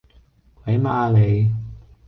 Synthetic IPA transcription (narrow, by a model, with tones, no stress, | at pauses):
kwɐ˨˥jmaː˧le˨˧j